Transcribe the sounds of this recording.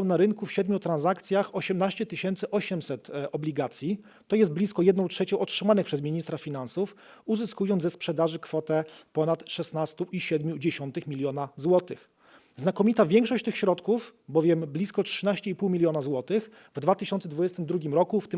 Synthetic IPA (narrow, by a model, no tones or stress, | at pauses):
ɔwnaɾɘŋkufɕɛd̪mʲjut̪ɾanzakt̪sʲjaxɔɕɛmnaɕt͡ɕɛt̪ɘɕɛnt̪sɘʔɔɕɛmsɛt̪ɔblʲiɡat̪sʲji | t̪ɔjɛst̪blʲiskɔjɛd̪nɔ̃w̃tʂɛt͡ɕɔ̃w̃ɔtʂɘmanɘpʂɛzmʲiɲist̪ɾafʲinansuf | uzɘskujɔnzɛspʂɛd̪aʐɘkfɔt̪ɛpɔnat̪ʂɛsnast̪uʔiɕɛd̪mʲjud͡ʑeɕɔnt̪ɘxmʲilʲjɔnazwɔt̪ɘ̰x | znakɔmʲit̪avʲjɛŋkʂɔɕt͡ɕt̪ɘxɕɾɔt̪kufbɔvʲjɛmblʲiskɔtʂɘnaɕt͡ɕɛipuwmʲilʲjɔnazwɔt̪ɘx | vd̪vat̪ɘɕɔnt̪sɛd̪vud͡ʑɛst̪ɘmd̪ɾuɡʲimɾɔkuft̪ɘ